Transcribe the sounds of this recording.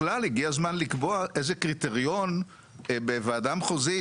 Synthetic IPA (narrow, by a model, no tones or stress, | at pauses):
lalhiɡiazmanlikboaʔe̞zekʁit̪eʁjo̞n | beveaadamχozi